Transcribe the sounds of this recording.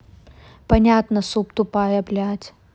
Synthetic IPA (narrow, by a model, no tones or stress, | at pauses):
pɐnʲat̪nəsupt̪ʊpajɐplʲat̪ʲ